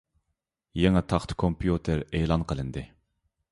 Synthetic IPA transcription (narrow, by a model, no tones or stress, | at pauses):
jeŋɛt̪ʰɑχt̪ʰkʰompʰjut̪ʰɪɾelˠɑnqʰəlˠɨnd̪ɨ